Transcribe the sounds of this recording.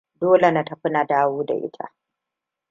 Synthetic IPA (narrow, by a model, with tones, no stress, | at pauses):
doː˦le˨na˦tɐ˨ɸɪ˦na˨daː˦woː˦da̰˨ʔɪ̰˦tʰa̰˦ʔ